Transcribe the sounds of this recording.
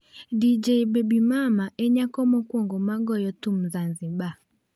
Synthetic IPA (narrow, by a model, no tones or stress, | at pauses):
did͡ʒeibɛbimamaʔɛɲakɔmɔkwɔŋɡɔmaɡɔjɔtum̩zanziɓa